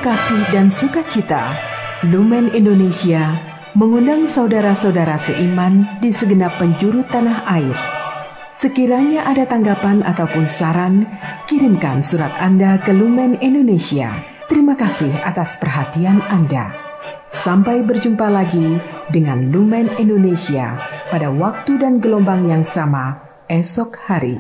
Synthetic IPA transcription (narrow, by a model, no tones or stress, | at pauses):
kasɪhdansukat̪̚t͡ʃit̪a̰ | lumɛnindonesia | məŋundaŋsaudaɾasaudaɾasəʔimandisəɡənapːəɲd͡ʒuɾut̪ːanaɦair | səkiɾaɲaʔadat̪aŋɡapana̰t̪awpʊnsaɾankiɾinka̰nsuɾat̪andakəlumɛnindonesia̰ | t̪əɾimakasihat̪aspərɦat̪iananda̰ | sampajbərd͡ʒumpalaɡidəŋanlumɛnindonesia̰padawak̚t̪udanɡəlɔmbaŋjaŋsama | ɛsɔk̚haɾḭ